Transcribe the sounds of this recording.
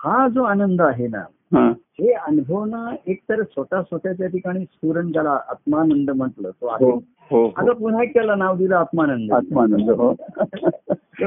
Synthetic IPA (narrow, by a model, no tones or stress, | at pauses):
kad͡zoanənd̪əaɦena̰ | ɦãɦeənubʱəʋnaek̚t̪əɾəsəʈasʋət̪jat͡ɕjat̪ʰikaɽ̃iːskuɾəɳd͡zalaʔat̪manənd̪əm̤əʈləːt̪oatɦ | ɦoa̰t̪apun̤aekːɛlanaʋd̪ilaːt̪manənd̪əat̪manənd̪əɦo